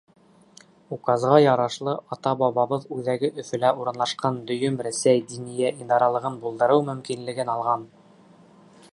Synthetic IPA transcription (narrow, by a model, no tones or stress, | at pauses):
ukɑzʁɑjɑɾɑʃlˠɤʔɑt̪ɑbɑβɑβɤðʉðæɡɘʔɵ̆fɵ̆læuɾɤ̆nlˠɑʃqɑnd̪ɵ̆jɵmɾæsæjd̪inijæʔind̪ɑɾɑlˠɤ̆ʁɤnbulˠd̪ɤ̆ɾɤwmɵ̆mkinlɘ̆ɡɘnɑlˠʁɑn